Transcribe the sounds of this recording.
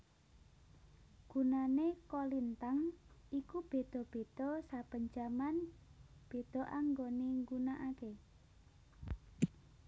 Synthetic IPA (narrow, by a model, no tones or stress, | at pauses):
ɡ̥unanekolint̪aŋikub̥e̤d̪̥ɔ̤b̥e̤d̪̥ɔsab̥əɲd͡ʒamanb̥e̤d̪̥ɔ̤ʔaŋɡoniŋɡunaʔake